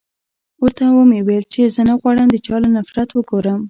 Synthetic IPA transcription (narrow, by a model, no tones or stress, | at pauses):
ʊɾt̪awəmewelt͡ʃezənaɣwɑɽəmd̪ət͡ʃɑlonafɾat̪wəɡoɾəm